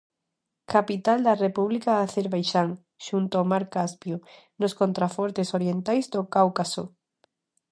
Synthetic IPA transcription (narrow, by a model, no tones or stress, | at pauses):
kapit̪ald̪arepuβlikaːθeɾβajʃaŋ | ʃunt̪oamaɾkaspjo | noskont̪ɾafɔɾt̪esoɾjent̪ajzd̪okawkaso